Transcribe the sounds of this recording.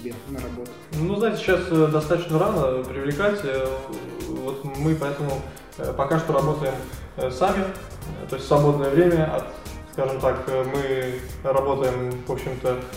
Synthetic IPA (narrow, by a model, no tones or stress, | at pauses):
nɐbot̪ | nuznaɪtʲɪɕasəd̪ɐst̪at̪ət͡ɕnəɾanəpɾʲɪvlʲɪkatʲə | vo̞t̪mɨpɐɛt̪əmʊ | pɐkaʂt̪oɾɐbo̞t̪əjɪmsamʲɪ | t̪o̞ɪsʲtʲsvɐbo̞d̪̚nəjəvɾʲemʲəɐ̰t̪skaʐɨmt̪akmɨrɐbo̞t̪əjɪmvo̞pɕːɪmt̪ə